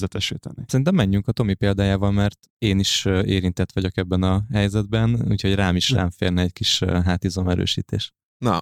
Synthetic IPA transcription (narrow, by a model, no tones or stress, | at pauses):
ɛt̪ɛʃḭːt̪ɛ̰nisɛɾint̪ɛmːɛɲːyŋkɒt̪o̞mipeːld̪aːjaːvɒmmɛrt̪ | eːniʃeːɾint̪ɛt̪ʋɒɟo̞kɛbːɛnɒɦɛjzɛd̪bɛnṵːcho̞ɟraːmiʃra̰ːɱfḛːrnɛɛckiʃɦaːt̪izo̞mɛɾø̰ːʃḭːt̪ḛːʃ | nɒ